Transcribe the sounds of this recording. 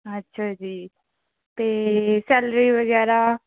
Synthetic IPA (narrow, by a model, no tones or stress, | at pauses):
ətːʃʰaːd͡ʒiː | t̪eːsɛːlɾiːʋəɡɛːɾaː